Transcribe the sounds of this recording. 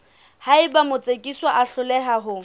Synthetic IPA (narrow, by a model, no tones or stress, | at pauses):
haɪbamʊt͡sʼekʼiswaʔaɬʊlɛɦaɦʊ